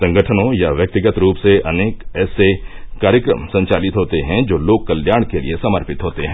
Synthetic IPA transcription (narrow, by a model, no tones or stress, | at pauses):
sɐ̃ŋɡəʈʰənõjaʋjɐk̚t̪ɪɡət̪ɾuːpseʔɐneːkɛːsekaːɾjəkɾə̰msɐ̃ɲt͡ʃaːlɪt̪ɦoːt̪eɦɛ̃d͡ʒoːloːɡ̚kɐljaːɽ̃kelḭesɐməɾpɪt̪ɦoːt̪eɦɛ̃